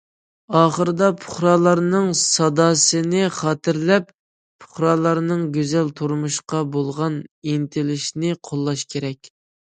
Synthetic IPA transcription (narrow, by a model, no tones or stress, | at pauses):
ɑːχəɾɨd̪ɑpʰʊ̥χɾɑːlˠɑɾnɨŋsɑd̪ɑːsɨnɪχɑːt̪ɪɾlɛp | pʰʊ̥χɾɑlˠɑɾnɨŋɡʲøzɛlt̪ʰuɾmuʃqɑbolˠʁɑnint̪ʰɪlɪʃnɪqʰolˠːɑʃkʲʰeɾɛkʲ